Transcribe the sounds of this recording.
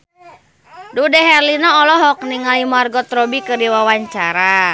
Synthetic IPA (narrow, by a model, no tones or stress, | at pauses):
dudɛɦɛrlinɔɔlɔɦɔk̚niŋalimarɡɔt̪ɾɔbikərdiwawaɲt͡ʃaɾa